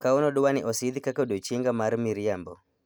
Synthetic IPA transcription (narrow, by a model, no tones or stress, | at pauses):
kaonɔdʊwanɪʔɔsɪd̪kakodot͡ʃiŋɡamaɾmiɾɪambɔ̰